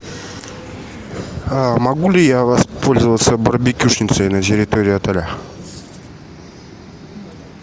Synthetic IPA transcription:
mɐɡulʲɪjavɐspolʲzəvət̪səbəɾbʲɪkʲuʂnʲɪt̪səjnətʲɪɾʲɪt̪oɾʲɪɐt̪ɐlʲa

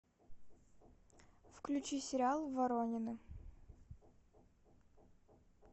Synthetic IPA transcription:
fklʲʉt͡ɕisʲɪɾʲɪalˠvɐɾonʲɪnɨ

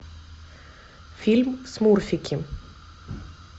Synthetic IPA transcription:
fɪlmsmuːɾfɪkʰɪm

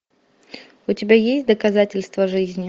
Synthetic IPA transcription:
ʊtʲɪbʲajesʲt̚ʲd̪əkɐzatʲɪlʲst̪vəʐɨzʲnʲɪ

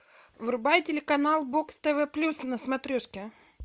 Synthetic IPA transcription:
vɾʊbajtʲɪlʲɪkɐnalˠbokst̪ɛvɛplʲusnəsmɐt̪ɾʲuʂkʲɪ

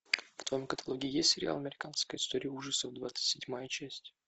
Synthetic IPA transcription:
ft̪vɐjomkət̪ɐlˠoɡʲɪɪjesʲtʲsʲɪɾʲɪ̰a̰lˠɐmʲɪɾʲɪkanskəjɪst̪o̞ɾʲɪəuʐəsəvd̪vat̪sɨ̥tʲsʲɪdʲmajət͡ɕæsʲtʲ

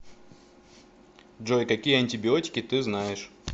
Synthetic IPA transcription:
dʐojkɐkʲijəɐnʲtʲɪbʲɪotʲɪ̥kʲɪt̪ɨznajɪʂ

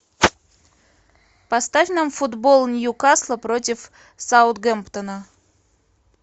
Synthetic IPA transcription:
pɐst̪avʲnəmfud̪bolˠnʲjukɑslˠəpɾotʲɪf | saʊt̪̚ɡempt̪ənə

